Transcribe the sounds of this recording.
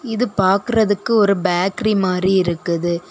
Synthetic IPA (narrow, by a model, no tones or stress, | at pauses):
ɪðɯpaːɾkɯɾɐðɯkːɯɔɾɯbaːkɾimaːdɾiɪɾɯkːɯðɯ